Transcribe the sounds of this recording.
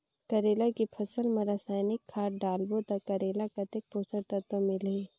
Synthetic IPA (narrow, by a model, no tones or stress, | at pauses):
kɐɾeːlakipʰɐsəlmɐɾaːsaːjnɪkʰːaːʈɖaːlbot̪akɐɾeːlakɐt̪ek̚poːsəɾt̪ɐt̪ʋəmɪle